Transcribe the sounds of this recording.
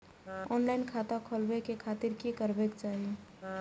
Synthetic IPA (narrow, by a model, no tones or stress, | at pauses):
ɔːnlaːɪnkʰaːt̪akʰoːlbekekʰaːt̪ɪɾkikəɾbekt͡ʃaːɦie